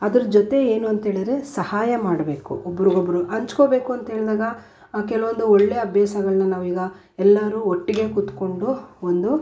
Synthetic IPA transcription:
ɐd̪ɐɾɐd͡ʒot̪e̞eːnuɐnt̪ɦeːɭid̪ɾe̞sɐhaːjɐmaːɽbe̞ːkṵobːɐɾiɡobːɐɾuʔɐɲt͡ʃkoːbe̞ːkuɐnt̪ɐɦe̞ːɭd̪aːɡɐ | k̬ɛlɐʋond̪uɔɭːeɐbʱjaːsɐɡɐɭɐnːɐnaːʋuiːɡɐ | ɛlːɐɾuːoʈːiɡe̞kut̪ko̞ɳɖuond̪u

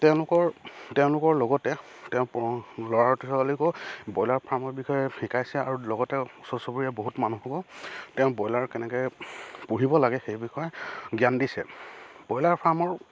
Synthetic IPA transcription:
tɛʊ̃lʊkɔɹtɛ̃ʊ̃lʊkɔɹlɔɡɔtɛ | tɛʊ̃plɔɹaɹtisɔkalikɔbɔjlaɹpʰaɹmɔɹbixɔjɛxikajsɛa̰ɹulɔɡɔtɛusɔsobɹiɛboɦutmanuɦukɔtɛ̃ʊ̃bɔjlaɹkɛnɛkɛjpuɦibɔlaɡɛxejbixɔjɛɡjandisɛ̰bɔjlaɹpʰaɹmɔɹ

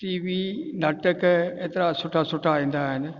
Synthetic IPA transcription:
ʈiːʋiːnɐʈəkeːt̪ɪɾasʊʈʰasʊʈʰaĩːn̆d̪aːɦɪn̆

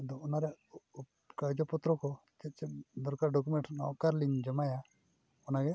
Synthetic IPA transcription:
d̪ɔɔnaɾɛʔ | kad͡ʒɔpɔt̪ɾɔkɔ | kɛt̪̚t͡ʃɛd̪ɔɾkaɾɖɔk̬umɛɳʈnɔʔkaɾliŋd͡ʒəmaja | ɔnaɡɛ

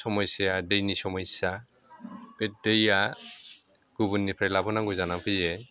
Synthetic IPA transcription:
sɔmɔjsijadejnisɔmɔjsa | b̥ɛt̚deja | ɡ̥ubunːipʰɾajlabɔnaŋɡuzanapʰijɛ

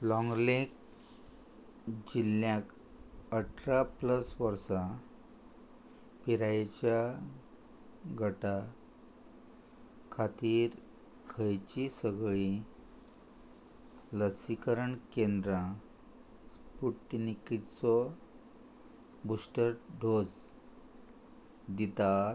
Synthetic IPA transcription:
lɔ̃ŋɡlek | d͡ʑilːjãk | əʈʰɾapləsʋəɾsa | piɾajt͡ɕja | ɡʱəʈa | kʰat̪iːɾ | kʰəjt͡ɕisəɡɭi | ləsikəɾəɳkẽnd̪ɾã | spuʈːnikit͡sɔ | busʈəɾɖʱod͡z | d̪it̪a

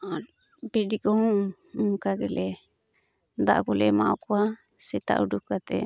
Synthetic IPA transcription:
an | bɛɖikɔ̃ | ŋkaɡɛlɛ | d̪a̰ʔɡɔlɛmaɔkɔwa | sɛt̪a̰ʔuɖukːat̪ɛ̰

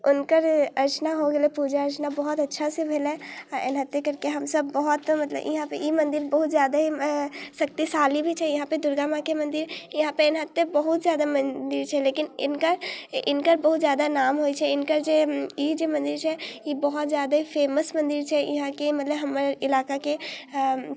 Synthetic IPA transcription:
unkəɾəɾt͡ʃnaɦoɡelɛpud͡ʒaəɾt͡ʃnabəɦut̪ətːʃʰasẽbʱelɛaḛnɦət̪jekəɾkeɦəmsəbːəɦut̪mət̪lə̰bjḭɦãpə̰imənd̪iɾbəɦut̪zjad̪aɦisək̚t̪isalibʱit͡ʃʰɛjiɦãpəɾd̪uɾɡamãkemənd̪iɾjiɦãpəɾenɦət̪ːəbəɦut̪d͡ʒjad̪amənd̪iɾt͡ʃʰɛlekinḭnkəɾinkəɾbəɦut̪d͡ʒjad̪anamɦojt͡ʃʰɛinkəɾd͡ʒeid͡ʒemənd̪iɾt͡ʃʰɛibəɦut̪d͡ʒjad̪aɦipʰeməsmənd̪iɾt͡ʃʰɛḭɦãkemət̪ləbɦəmːəɾilakake

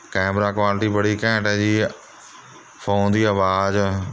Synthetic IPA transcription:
kɛːmɾaːkwaːlʈiːbəɽiːkɛ̃ːʈɛːd͡ʑiː | fʰoːnd̪iːəʋaːd͡ʒ

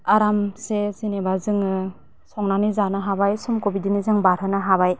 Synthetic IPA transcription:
aɾamsezinebazɯŋɯ | sɔŋnanizanɯɦabajsumkobidinizɯŋbaɾɯnɯɦaβaj

